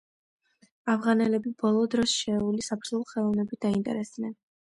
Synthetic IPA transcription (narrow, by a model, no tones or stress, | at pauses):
avʁanɛlɛbibɔlˠɔd̪ɾɔsʃɛːulisapʰɾzulˠχɛlˠɔvnɛbid̪̥aint̪ʼɛ̰ɾɛsd̪nɛn